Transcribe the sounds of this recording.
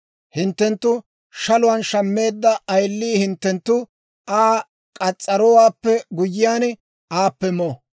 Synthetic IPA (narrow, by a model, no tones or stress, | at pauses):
hɪnt̪ːɛnt̪ːʊ | ʃɐlʊwɐnʃɐmːe̞ːd̪ːɐʔɐjlːiːhɪnt̪ːɛnt̪ːʊ | ʔaː | kʼɐt͡sʼːɐɾɔwaːpːɛɡʊjːɪjaːn | aːpːɛmoː